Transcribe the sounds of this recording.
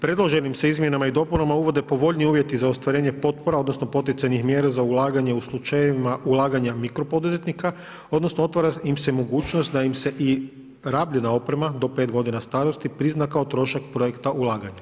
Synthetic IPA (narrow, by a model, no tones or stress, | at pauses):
pɾe̞d̪lˠo̞ʒe̞nimse̞izmje̞namaid̪o̞punamauʋo̞d̪e̞po̞ʋo̞ʎniuːʋje̞t̪izaost̪ʋaɾe̞ːɲe̞po̞t̪̚po̞ɾao̞d̪no̞sno̞po̞t̪̬it̪ajnixmjeːɾazaulˠaːɡaɲe̞uslˠut͡ʃajimaʔulˠaːɡaɲamikɾo̞po̞d̪uze̞t̪nika | o̞d̪no̞snoo̞t̪ʋaɾaimse̞mo̞ɡuːt͡ʃnost̪̚d̪aimse̞ʔi | ɾaːbʎenao̞pɾe̞mad̪o̞pe̞t̪ɡo̞d̪inast̪aːɾo̞st̪ipɾiznakaot̪ɾo̞ʃakpɾo̞jekt̪aʔulˠaːɡaɲa